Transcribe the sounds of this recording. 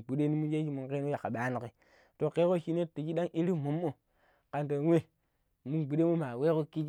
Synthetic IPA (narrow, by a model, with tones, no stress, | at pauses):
ɡ͡bu˨ɗe˦ni˦mu˦nje˦d͡ʒi˦mu˨ke˦no˦ja˨a˨ɓa˨˦ni˨ki˨ | to˨ke˦ko˦ʃi˦ne˦ti˨d͡ʒi˦ɗa˦ŋʔi˦ɾi˦mu˨mːo˨ | ka˨nto˨˦wʷe˦ | mu˦nɡ͡bu˨ɗe˦mo˦ma˨we˦ko˦ki˦d͡ʒ